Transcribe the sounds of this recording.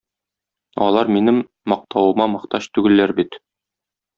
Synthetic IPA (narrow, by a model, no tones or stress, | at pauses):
ɒ̰lˠɑɾminɘmː | ɒq̚t̪ɑwɤ̆mɑmɤ̆qt̪ɑɕt̪ʉɡɘ̆lːæɾbit̪